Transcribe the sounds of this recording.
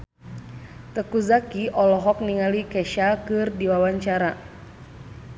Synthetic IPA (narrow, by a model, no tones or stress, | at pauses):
t̪əkuzakiʔɔlɔɦɔk̚niŋalikɛʃakɨrdiwawaɲt͡ʃaɾa